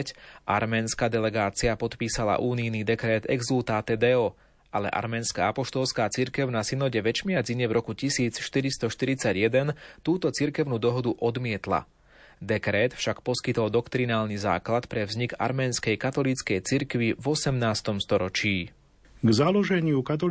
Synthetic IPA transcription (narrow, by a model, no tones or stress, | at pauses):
cʔa̰ɾmɛːnskad̪ɛlɛɡaːt͡siapɔt̪piːsala̰ʔuːnijnid̪ɛkɾɛːt̪ɛ̰ɡzult̪aːt̪ɛd̪ɛɔ | ʔalɛ̰ʔa̰ɾmɛːnskaapɔʃt̪ɔlskaːt͡siɾkɛʊnasinɔɟɛʋɛt͡ʃmɪad͡ziɲɛvɾɔkucisiːt͡sʃt̪iɾist̪ɔʃt̪iɾit͡saɟjɛd̪ɛnt̪uːt̪ɔt͡siɾkɛʊnuːd̪ɔɦɔd̪uʔɔd̪mɪɛt̪la̰ | d̪ɛkɾɛːt̪fʃakpɔskit̪ɔld̪ɔkt̪ɾinaːlniza̰ːklat̪pɾɛvzɲika̰ɾmɛːnskɛjkat̪ɔlit͡skɛjt͡siɾkʋivɔsɛmnaːst̪ɔmst̪ɔɾɔt͡ʃiː | ɡzalɔʒɛɲɪukat̪̬ɔ